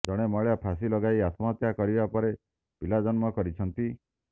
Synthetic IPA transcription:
d͡ʒɔɽ̃emɔɭejapʰas̬ilɔɡajat̪mɔt̪jakɔɾibapɔɾe | pilad͡ʒɔnmɔkɔɾit͡ʃʰɔnt̪i

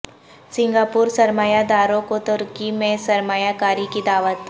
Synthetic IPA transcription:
sɪ̃ŋɡaːpuːɾsɐɾmaːjad̪aːɾõkot̪ʊɾkimẽsɐɾmaːjakaːɾikid̪aːʋət̪

